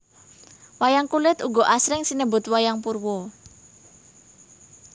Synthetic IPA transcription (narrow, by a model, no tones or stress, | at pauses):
wajaŋkulɪt̪uɡɔʔasɾɪŋsinəbʊ̤t̪̚wajaŋpurwɔ